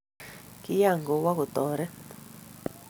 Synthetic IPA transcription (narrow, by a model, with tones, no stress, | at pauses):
ki˦ja˦˨ŋɡo˨wa˦ɣu˨t̪o˨ɾe˦